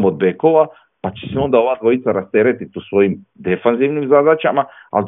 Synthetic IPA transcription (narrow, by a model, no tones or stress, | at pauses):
mod̪̚bekoʋa | pat͡ʃe̥seo̞nd̪ao̞ʋaːd̪ʋo̞jit̪saɾast̪eɾet̪it̪usʋo̞jimd̪efanziʋnimzad̪at͡ʃamaa̰ld̪